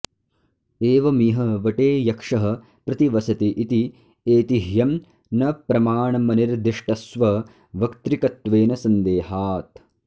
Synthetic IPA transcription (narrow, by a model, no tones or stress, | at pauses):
eːʋɐmiːɦɐʋɐʈeːjɐkʂɐɦɐ̆ | pɾɐt̪iʋɐsɐt̪iʔit̪i | eːt̪iɦjɐm | nɐpɾɐmaːɳɐmɐniɾd̪iʂʈɐsʋɐ | ʋɐkt̪ɾikɐt̪ʋeːnɐsɐnd̪eːhaːt̪